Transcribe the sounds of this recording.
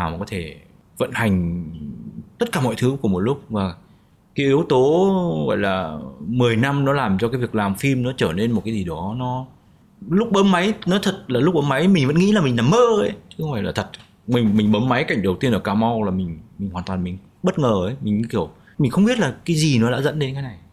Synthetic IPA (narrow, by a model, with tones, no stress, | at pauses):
naː˨˩wa˨˩kɔ˨˦t̪ʰe˧˩ | və̰˧˨nha˨˩jŋ̟ | t̪ə˦˥t̚kaː˧˩mɔ̰˧˨jt̪ʰɨ˨˦ku˧˩mo˨˩t̚lʊ˦˥k͡p̚vaː˨˩ | kaː˨˦ʔi˨˦əwt̪o˨˦ɣɔ̰˧˨jlaː˨˩mɨ˨˩əjna˧mnɔ˨˦laː˨˩mt͡ɕɔ˧kaː˨˦jvi˨˩ək̚laː˨˩mfi˧mnɔ˨˦t͡ɕəː˧˩ne˧nm˨˩t̚kaː˨˦jzi˨˩ɗɔ˨˦nɔ˨˦ | lʊ˦˥k͡p̚ɓə˨˦mma˨˦jnɔ˨˦t̪ʰə˨˩t̚laː˨˩lʊ˦˥k͡p̚ɓəː˨˦ma˨˦jmï˨˩ŋ̟və̰˧˥nŋḭ˧˥laː˨˩mï˨˩ŋnlaː˨˩mːəː˧ʔə˨˦jt͡ɕɨ̥˨˦xwvfa̰˧˨jlaː˨˩t̪ʰə˨˩t̚ | mï˨˩ŋmï˨˩ŋ̟ɓə˨˦mːa˨˦jka˨˧˩jŋ̟ɗə˨˩wt̪i˧ənʔəː˧˩kaː˧˩ma˧wlaː˨˩mï˨˩ŋ̟mi˨˩ŋ̟hwaː˨˩nt̪waː˨˩mï˨˩ŋ̟ | ɓə˦˥t̚ŋəː˨˩ʔə˨˦jmï˨˩ŋ̟˧ki˧˩əw | mi˨˩ŋ̟xə˧wŋ͡mɓi˦˥t̚laː˨˩kaː˨˦jzi˨˩nɔ˨˦ɗa̰ː˧˥zə̰˧˥nɗe˨˧nkaː˨˦na˨˩j